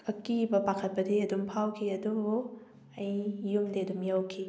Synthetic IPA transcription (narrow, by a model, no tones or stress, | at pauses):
ɐkibɐpakʰɐt̚pɐdiɐdumpʰawkʰiɐdubu | ɐjːumdedumjawkʰi